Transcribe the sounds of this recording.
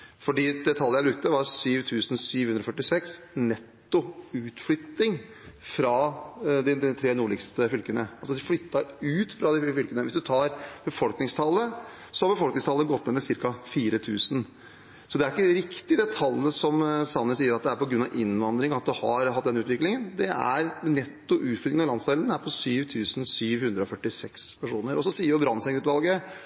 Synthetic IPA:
fɔɖiːd̪ɛt̪ʰɑlːəjæbɾʉk̚t̪əʋɑɾsyːʋt̪ʰʉːsn̩syːʋhʉnɾɔfœʈːɪsɛksnɛt̪ːʊʉːt̪flʏt̪ːɪŋfɾɑd̪ɪɛt̪ʰɾeːnuːɭɪkst̪əfʏlkənəɑlsɔd̪ɪflʏt̪ːɑʉːt̪fɾɑd̪ɪfʏlkənəʋɪsd̪ʉt̪ʰɑːɾb̥əfɔlknɪŋst̪ʰɑlːə | sɔhɑɾbəfɔlknɪŋst̪ʰɑlːəɡɔt̪ːɛmɛsɪɾkɑfiːɾət̪ʰʉːsn | sɔd̪ɛæɾɪkːəɾɪkt̪ɪd̪ɛt̪ʰɑlːəsɔmsɑnːəsiːəɾɑt̪̚d̪ɛæɾpɔɡɾʉnɑʋʔɪnʋɑnd̪ɾɪŋɔɑt̪̚d̪ʉhɑ̰ɾhɑt̪̚ːd̪ɛnʉːt̪ʋɪklɪŋənd̪ɛæ̰ɾnɛt̪ːʊʔʉːt̪fʏlɪənɑlɑnsd̪ɛlənæɾpʰɔsyːʋt̪ʰʉːsn̩syːʋhʉnd̪ɾəɔfœʈːɪsɛkspʰæʂuːnəɾɔsɔsiːəɾjʊbɾɑnsɛŋʉːt̪ʋɑlˠɡə

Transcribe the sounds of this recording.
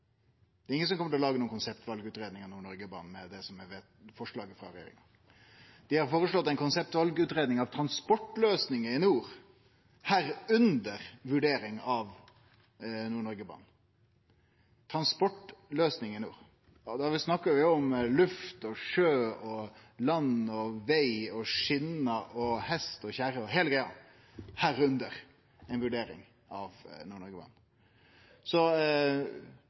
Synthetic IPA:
d̪ɛɾɪŋːəsɔmkɔməʈ̪ʰlɔlɑːɡənuːənkʊnsɛpt̪ʋɑlɡʉːt̪ɾeːd̪nɪŋɑʋnuːɳɔɾɡəbɑ̰ːn̩mɛd̪ɛsɔmɛʋeːt̪fɔʂɭɑːɡəfɑ̰ɾɛjḛɾɪ̰ŋɑ | d̪̥ɪhɑɾfoːɾəʂɭɔt̪ːæɪnkʊnsɛp̚t̪ʋɑlɡʉːt̪ɾeːd̪nɪŋɑʋt̪ʰɾɑnspɔʈːløːsnɪŋəɪnuːɾ | hæːɾʉnd̪əɾʋʉɖeːɾɪŋɑʋ | nuːɳɔɾɡəbɑ̰ːn | t̪ʰɾɑnspɔʈløːsnɪŋənjṵː | d̪ɛʋɪsnɑkːəʋɪɔmlʉft̪ɔʂøːɔlɑnɔʋæɪɔʂɪnəʔɔhɛst̪ɔçæɾəɔɦeːləɡɾæɪɑ̰ | hæːɾʉnd̪əɾ | ɛɪnʋʉɖeːɾɪ̰ŋ | ɑʋnuːɳɔɾɡəbɑ̰ːɳn | sɔ

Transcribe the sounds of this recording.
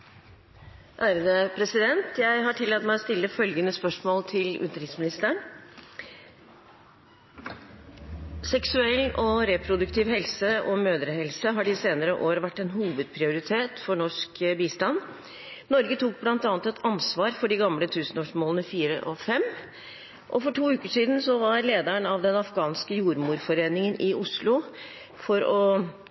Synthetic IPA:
ʔæːɾəd̪əpʰɾɛsɪd̪ɛnt̪jæɪɦɑʈʰɪlːɑt̪mæɪɔst̪ɪlːəfœlɡənəspœʂmoːlt̪ʰɪlʉ̰t̪əɾɪt̪smɪnɪst̪əɳ | sɛksʉɛlʔɔɾɛpʰɾʊd̪ʉkt̪ʰiːʋhɛlsəɔmøːd̪ɾəɦɛlsəɦɑɖɪseːnəɾəʔoːɾəʋæʈːɛnɦuːʋəd̪̚pʰɾɪʊɾɪt̪ʰeːt̪fɔɳɔʂkbiːst̪ɑn | nɔɾɡət̪ʰuːk̚blɑnt̪ɑːnt̪ɛt̪ʰɑnsʋɑːɾfɔɖɪɡɑmlət̪ʰʉːsn̩oːʂmoːlənəfiːɾə̰ʔɔfɛm | ʔɔfɔʈʰuːʉːkəʂiːd̪nsɔʋɑɾleːd̪æɳɑʋd̪ɛnɑfɡɑːnskəjuːɾmuːɾfɔɾeːnɪŋənʔɪʊslʊ | fɔɾɔ

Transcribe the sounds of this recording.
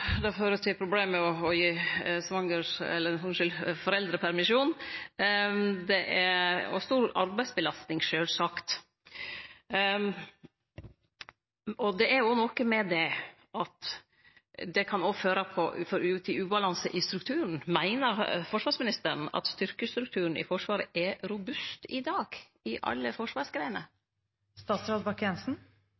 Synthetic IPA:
d̪ɛføːɾət̪ʰɪlpʰɾʊbleːmɛɔɔjiːsʋɑŋəʂɛ̰lːəɾsɔʂɪlfɔɾɛld̪ɾəpʰæɾmɪʂuːn | d̪ɛʔæɔ̰st̪uːɾɑ̰ɾbæɪsbəlɑst̪nɪŋʃøːlsɑkt̪ | ɔd̪ɛæɾjʊnɔkəmɛd̪ɛ | ʔɑt̪ | d̪ɛkʰɑnɔføːɾəpʰɔfɔɾʉːt̪ʰɪʉːbɑlɑnsəʔɪst̪ɾʉk̚t̪ʰʉːɾn̩mæɪnəɾfɔʂʋɑːɾsmɪnɪst̪əɾn̩ɑ̰t̪st̪ʏɾkəst̪ɾʉk̚t̪ʰʉːɾən̩ɪ̰fɔʂʋɑːɾəʔɛɾʊbʉst̪ɪd̪ɑːɡ̥ | ɪʔɑ̰lːəfɔʂʋɑːɾsɡɾæɪənə | st̪ɑːt̪sɾɑd̪bɑkʰɛnsn̩

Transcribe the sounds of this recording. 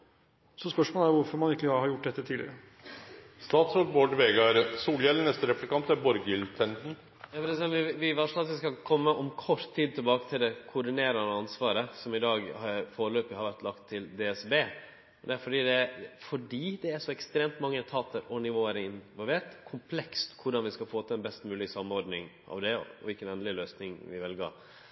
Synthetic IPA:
sɔspœʂmoːlæɾʋʊɾfɔɾmɑnɪkːləɑɾhɑɾjʊʈ̚ːd̪ɛt̪ːət̪ʰiːlɪ̰ɾə | st̪ɑːt̪sɔboːɖʋeːɡɑɾsuːljɛlːənɛst̪əɾɛplɪkʰɑnt̪æɾbɔɾɡɪlt̪ʰɛnt̪n̩ | jɑfɔɾɛsɛnɪʋɪʋɑʂɔɑt̪ʋɪskɑkʰɔmːəʔɔmkʰɔʂt̪ʰːiːd̪̚t̪ʰɪlbɑːkə̥t̪ʰɪld̪ɛkʰʊɖɪneːɾɑnəɑnsʋɑːɾəsɔmɪd̪ɑːɡhɑɾfoːɾəløːpəhɑɾʋæɾʈ̪lɑkt̪ʰːɪld̪ɛːɛsbeː | d̪ɛæɾfɔɖiːd̪ɛfɔɖiːd̪ɛæɾʂɔɛkst̪ɾeːmt̪mɑŋːət̪ʰɑːt̪əɾɔnɪʋoːʋæːɾəɪnʋɔlʋeːʈkʰʊmpʰlɛkst̪kʰʊɖɑnʋɪskɑfoːt̪ʰəɛnbɛst̪mʉːlɪsɑmːɔɾɖnɪŋʔɑ̰ʋd̪ɛɔ̰ʋɪlkənɛːnlɪløːsnɪŋʋɪ̰ʋɛlɡɑ̰ɾ

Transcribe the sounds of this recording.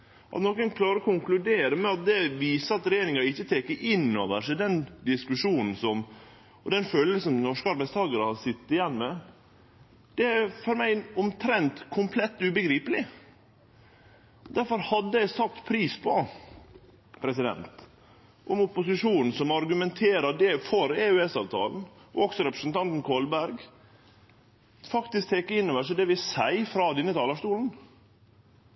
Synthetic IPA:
ʔɑ̰t̪nɔkənkʰlɑːɾəɔkʰʊŋklʉd̪eːɾəmɛɑt̪̚d̪ɛʋiːsəɑt̪ɾɛjeːɾɪŋɑɪçːət̪ʰeːkːəʔɪnːoːʋəʂɪd̪ɛnd̪ɪskʉʂuːnn̩sɔm | ɔd̪ɛnfœlːəsɔmnɔʂkəɑɾbæɪst̪ʰɑːɡəɾəhɑsɪt̪ːɪjɛnːmɛ | d̪̥ɛæfɔɾmæɪʊmt̪ʰɾɛnt̪kʰʊmpʰlɛt̪ːʉbəɡɾiːpəlɪ | d̪æɾfɔɾhɑd̪ːəæɪsɑtt̪ːpʰɾiːspʰɔ | pʰɾɛsɪd̪ɛ̰nt̪ | ʔʊmʊpʊsɪʂuːnn̩sɔmɑɾɡʉmɛnt̪ʰeːɾəd̪ɛfɔɾeːʉɛsɑ̰ːʋt̪ʰɑ̰ːln̩ɔɔksɔɾɛpɾəsn̩t̪ʰɑnt̪n̩kʰoːlbæɾɡ | fɑkt̪ɪsk̚t̪ʰɛkːəɪnːɔʋæʂəd̪ɛʋɪsæɪfɾɑːd̪ɛnːət̪ʰɑːləʂt̪uːln̩

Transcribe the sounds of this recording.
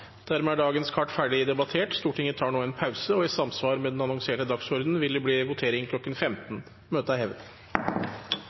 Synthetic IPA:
d̪̥æɾmɛæɖɑːɡənskʰɑʈːfæːɖɪd̪ɛbɑt̪ʰeːʈst̪uːʈʰɪŋət̪ʰɑːɳoːɛnpʰɑʉsəɔɪsɑmsʋɑːɾmɛd̪ɛnɑnɔŋseːʈəd̪ɑksɔɾd̪n̩ʋɪld̪ɛbliːʋʊt̪ʰeːɾɪŋkʰlɔkːənfɛmt̪n | møːt̪əɑhɛʋə

